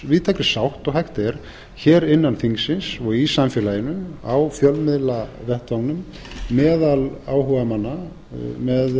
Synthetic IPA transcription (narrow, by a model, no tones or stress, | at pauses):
vɪðt̪ʰɛkɾɪsawht̪ɔɣɦajht̪ɛɾ̥ | çɛːɾɪnːanfiŋsɪnsɔɣisamfɛːlaːjɪnʏawfjœlmɪðlavɛht̪vawnʏm | mɛːðalaːwɦœvamanːa | mɛð